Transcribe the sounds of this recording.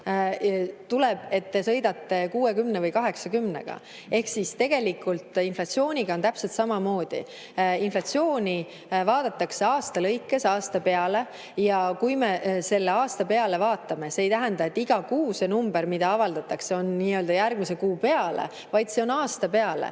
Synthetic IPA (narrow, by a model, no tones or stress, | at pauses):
t̪uleb̥e̞t̪ːesɤ̞jd̪ɑt̪ːe̞kuːe̞kymnevɤjkɑɦe̞ksɑkymne̞̰ɡ̥ɑ̰ | e̞hksist̪e̞ɡ̥e̞likːˑult̪ˑinflɑt̪sio̞ːnʲiɡ̥ɑont̪æpse̞lt̪sɑmɑmo̞ːd̪̥ḭ | inflɑt̪sio̞ːnʲi | vɑːd̪̥ɑt̪ːˑɑkse̞ɑːst̪ɑlɤjkːˑesɑːst̪ɑpe̞ɑle̞ | jɑkujmese̞lːe̞ɑːst̪ɑpe̞ɑle̞vɑːt̪ːˑɑme̞seːjt̪æɦænd̪ɑet̪ːiɡ̥ɑkuːse̞numb̥eɾmid̪ɑɑvɑld̪̥ɑt̪ːˑɑkse̞o̞nːiːø̞ld̪̥ɑjærɡ̥misekuːpe̞ɑlḛ | vɑjd̪̥se̞o̞nɑːst̪ɑpe̞ɑlḛ